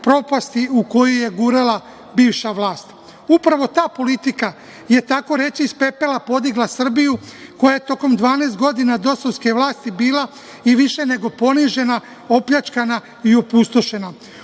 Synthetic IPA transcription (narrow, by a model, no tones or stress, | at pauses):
pɾo̞past̪iuko̞joje̞ɡuːɾala | biːʋʃaʋlaːst̪ | upɾaʋo̞t̪aːpo̞lit̪ika | je̞t̪ako̞ɾe̞t͡ɕiːspe̞pe̞lapo̞d̪iɡlasr̩bijuko̞jajet̪o̞ko̞md̪ʋaːneːst̪ɡo̞d̪inad̪o̞soske̞ʋlaːst̪ibiːlˠa | iʋiʃe̞ne̞ɡo̞po̞niʒe̞na | o̞pʎʲat͡ʃkana | io̞pust̪o̞ʃe̞na